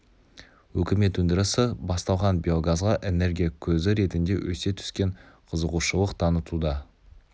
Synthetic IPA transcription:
wɵkʲɪme̞t̪wɵnd̪ɪɾɪsɪbɑst̪ɑlˠʁɑnbʲio̞ɡazʁɑʔe̞ne̞ɾɡʲijakʲʰɵzɪɾe̞t̪ɪnd̪e̞wʔɵ̰se̞t̪ʰʏ̥skʲe̞ɴqʰəzəʁuʃəlˠəqt̪ʰɑnət̪ud̪ɑ

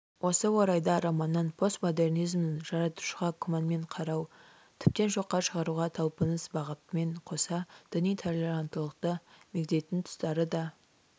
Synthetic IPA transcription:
wʔo̞səwo̞ɾɑjd̪ɑɾɑmɑnːɑnpʰo̞st̪mod̪e̞rnijzmnɪnʒɑɾɑt̪u̥ʃəʁɑkʰʊmanme̞ɴqʰɑɾɑw | t̪ʰɪp̚t̪e̞nʒo̞qːɑʃəʁɑɾuʁɑt̪ʰɑlˠpənəsbɑʁət̪əme̞ɴqʰo̞sɑd̪̥ɪnijt̪ʰelʲeɾant̪əlˠəq̚t̪əme̞kd̪e̞t̪ɪnt̪ʰʊ̥st̪ɑɾəd̪ɑ

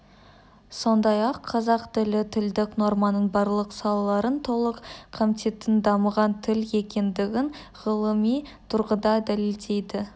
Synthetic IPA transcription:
so̞nd̪ɑjɑqʰːɑzɑqt̪ɪlɪt̪ʰɪld̪ɪkno̞ɾmɑnəɴbɑɾlˠəqsɑlˠɑlˠɑɾənt̪ʰo̞lˠəqqʰamt̪ʰe̞t̪ːɪnd̪ɑməʁɑnt̪ʰɪle̞kʲe̞nd̪ɪɡʲɪn | ʁəlˠəmijt̪ʰʊɾʁəd̪ɑd̪æleld̪e̞jd̪ɪ

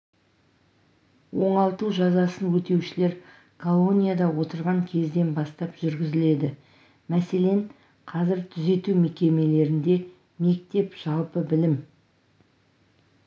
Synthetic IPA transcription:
wo̞ɴɑlˠt̪uʒɑzɑsənwɵt̪e̞wʃɪle̞ɾ | kʰo̞lˠo̞nʲijad̪ɑwo̞t̪əɾʁɑŋkʲʰe̞zd̪e̞nbɑst̪ɑpʒ̥ʏɾɡʲɪzɪle̞d̪ɪ | mæse̞le̞ɴ | qʰɑzɪɾt̪ʰʏze̞t̪ume̞kʲe̞me̞le̞ɾɪnd̪e̞ | me̞k̚t̪e̞pʒ̥ɑlˠpəbɪlɪm

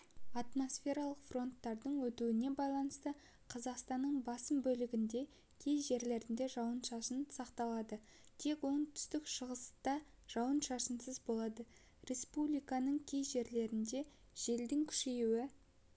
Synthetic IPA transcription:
ɑt̪mo̞sfʲe̞ɾɑlˠəqfro̞nt̪ːɑɾd̪əɴwɵt̪uwɪne̞bɑjlˠɑnəst̪ə | qʰɑzɑqst̪ɑnːəɴbɑsəmbɵlɪɡʲɪnd̪e̞ | kʲʰe̞jʒe̞ɾle̞ɾɪnd̪e̞ʒɑwənʃɑsənsɑqt̪ɑlˠɑd̪ə | t̪ʰe̞kwo̞ɴt̪ʰʏ̥st̪ɪkʃəʁəst̪ɑ | ʒ̥ɑwənʃɑsənsəzbo̞lˠɑd̪ə | ɾe̞spublʲijkɑnəɴkʲʰe̞jzʒe̞ɾle̞ɾɪnd̪e̞ | ʒ̥e̞ld̪ɪŋkʲʰʏ̥ʃejuwɪ

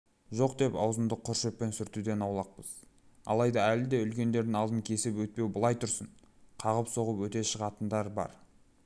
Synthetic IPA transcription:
ʒo̞qd̪e̞pɑ̰wzənd̪əqʰːʊɾʃepːe̞nsʏɾt̪ud̪e̞nɑwlˠɑq̚pəz̥ | ɑ̰lˠɑjd̪ɑælɪd̪e̞ʏlkʲe̞nd̪e̞ɾd̪ɪŋɑlˠd̪əŋkʲʰe̞sɪpwɵt̪̚pewbəlˠɑjt̪ʰʊɾsəɴ | qʰɑʁəpso̞ʁəpwɵt̪e̞ʃəʁɑt̪ənd̪ɑɾbɑ̰ɾ

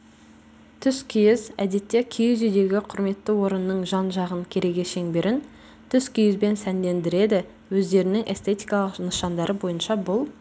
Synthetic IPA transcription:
t̪ʰʏskʲʰijɪzæ̰d̪e̞t̪ːe̞kʲʰejʏzʏjd̪e̞ɡʲɪqʰʊɾme̞t̪ːəwo̞ɾənːəɴʒɑnʒɑʁəŋkʲʰe̞ɾe̞ɡʲe̞ʃe̞ŋbe̞ɾʔɪn | t̪ʰʏskʲʰijɪzbe̞nsænd̪e̞nd̪ɪɾe̞d̪ɪ | wɵzd̪e̞ɾɪnɪŋʔe̞̰st̪ʰe̞t̪ijkɑlˠəqnəʃɑnd̪ɑɾʔəbo̞jənʃɑbʊlˠ

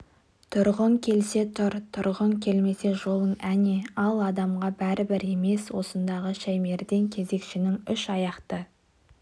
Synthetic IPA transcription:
t̪ʰʊɾʁəŋkʲʰe̞lse̞t̪ʰʊɾt̪ʰʊɾʁəŋkʲʰe̞lme̞se̞ʒo̞lˠəɴæneɑlˠɑd̪ɑmʁɑbæɾɪbɪɾe̞me̞swo̞sənd̪ɑʁəʃæjme̞ɾd̪e̞ŋkʲʰe̞ze̞kʃɪnɪŋʏʃɑjɑqt̪ə

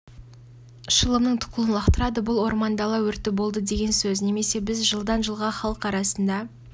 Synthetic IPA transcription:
ʃəlˠəmnəɴt̪ʰʊ̥qəlˠənlˠɑqt̪əɾɑd̪əbʊlˠwo̞ɾmɑnd̪ɑlˠɑwɵɾt̪ːɪbo̞lˠd̪əd̪e̞ɡʲe̞nsɵzne̞me̞se̞bɪzʒəlˠd̪ɑnʒəlˠʁɑχɑlˠəqɑɾɑsənd̪ɑ

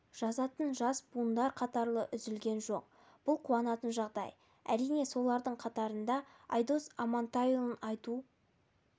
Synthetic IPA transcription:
ʒ̥ɑzɑt̪ənʒɑsbund̪ɑɾqʰɑt̪ɑɾlˠəʔʏzɪlɡʲe̞nʒo̞q̚ | b̥ʊlˠqʰuwɑnɑt̪ənʒɑʁd̪ɑ̰j | æ̰ɾijne̞so̞lˠɑɾd̪əɴqʰɑt̪ɑɾənd̪ɑɑjd̪o̞sɑmɑnt̪ɑjulˠənɑjt̪u

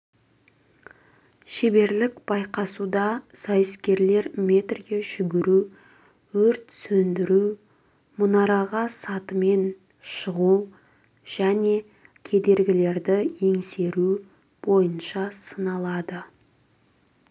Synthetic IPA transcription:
ʃe̞be̞ɾlɪkb̥ɑjqɑsud̪ɑsɑjɪskʲe̞ɾle̞ɾmʲe̞t̪rɡʲe̞ʒ̥ʏɡʲɪɾu | wɵɾt̪sɵnd̪ɪɾu | mʊnɑɾɑʁɑsɑt̪əme̞n | ʃəʁu | ʒ̥æne̞ | kʲʰe̞d̪e̞ɾɡʲɪle̞ɾd̪ɪje̞ŋse̞ɾu | b̥o̞jənʃɑsənɑlˠɑd̪ə

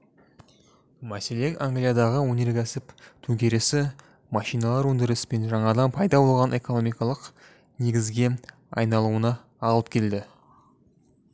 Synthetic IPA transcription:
mæse̞le̞ŋaŋɡlʲijad̪ɑʁəwɵnʲe̞ɾkʲʰæsɪpt̪ʰɵɡʲe̞ɾe̞sɪ | mɑʃijnɑlˠɑɾwɵnd̪ɪɾɪsɪ̥pe̞nʒɑɴɑd̪ɑnpʰɑjd̪ɑbo̞lˠʁɑnʔe̞ko̞no̞mijkɑlˠəq | ne̞ɡʲɪzɡʲe̞ | ɑ̰jnɑlˠuənɑː | lˠəp̚kʲʰe̞ld̪ɪ

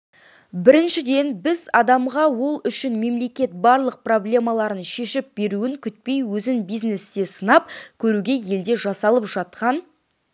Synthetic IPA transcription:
bɪɾɪnʃɪd̪e̞nbɪzɑd̪ɑmʁɑwo̞lˠʏʃɪnme̞mle̞kʲe̞t̪̚bɑɾlˠəq̚pro̞blʲe̞mɑlˠɑɾənʃe̞ʃɪp̚be̞ɾuɪŋkʲʰʏt̪̚pe̞jwɵzɪnbijzne̞st̪e̞sənɑp̚kʲʰɵɾuɡʲe̞je̞ld̪e̞ʒɑsɑlˠəpʒɑt̪̚qɑn

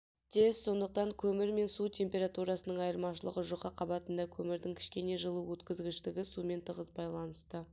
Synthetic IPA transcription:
t̪ʰe̞st̪so̞nd̪əq̚t̪ɑŋkʲʰɵmɪɾme̞nsut̪ʲʰe̞mpʲe̞ɾat̪uɾɑsənəɴɑjəɾmɑʃəlˠə̰ʁəʒoqəqʰɑbɑt̪ənd̪ɑkʲʰɵmɪɾd̪ɪŋkʲʰɪ̥ʃkʲe̞ne̞ʒəlˠuwɵt̪kʲɪzɡʲɪʃt̪ɪɡʲɪsume̞nt̪ʰəʁəzbɑjlˠɑnəst̪ə

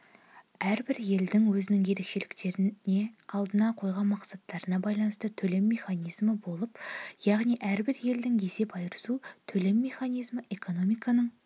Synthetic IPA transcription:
æɾbɪɾje̞ld̪ɪŋwɵzɪnɪŋje̞ɾe̞kʃe̞lɪkt̪e̞ɾɪne̞ɑlˠd̪ənɑqʰo̞jʁɑnmɑqsɑt̪ːɑɾənɑbɑjlˠɑnəst̪ət̪ʰɵle̞mːe̞χɑnijzməbo̞lˠəpjɑʁnijʔæɾbɪɾje̞ld̪ɪŋjese̞pɑjɾəsut̪ʰɵle̞mːe̞χanijzməʔe̞ko̞no̞mijkɑnəɴ

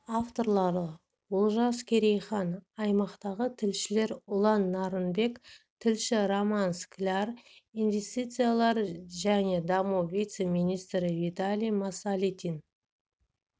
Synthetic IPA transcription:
aft̪o̞ɾlˠɑɾə | wʊlˠʒɑskʲʰe̞ɾejχɑnɑjmɑqt̪ɑʁət̪ʰɪlʃɪle̞ɾʊlˠɑnːɑɾənbe̞kt̪ʰɪlʃɪɾomansklʲarinve̞st̪it̪sɨjalˠɑɾʒæne̞d̪ɑmuwvʲijt̪se̞minijst̪ɾɪvit̪alʲijmasalʲit̪ʲin

